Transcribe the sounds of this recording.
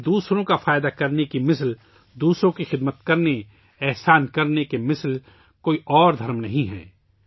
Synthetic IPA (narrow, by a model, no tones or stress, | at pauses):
d̪uːsɾõkafaːjɪd̪akɐɾnekimɪsl | d̪uːsɾõkixɪd̪mət̪kɐɾne | ɛɦsaːnkɐɾnekemɪsl | koːiʔɔːɾd̪ʱɐɾmnɐɦĩɦɛ̰̃ː